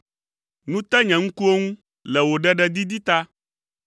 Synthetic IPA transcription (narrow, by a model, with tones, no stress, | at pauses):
nũ˦t̪ɛ˦ɲɛ̃˨ŋũ˦ku˦o˦ŋũ˦ | lɛ˨wo˨ɖɛ˦ɖɛ˦d̪i˦d̪i˦t̪a˦